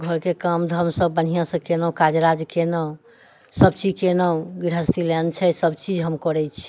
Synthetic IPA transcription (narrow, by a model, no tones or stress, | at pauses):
ɡʱəɾkekamd̪ʱəmsəbːən̤ijãsə̃kenəkad͡ʒɾad͡ʒkenə | səbt͡ʃid͡ʒkenəɡiɾɦəst̪ilɛnt͡ʃʰɛsəbt͡ʃid͡ʒɦəmkɔɾɛt͡ʃʰi̥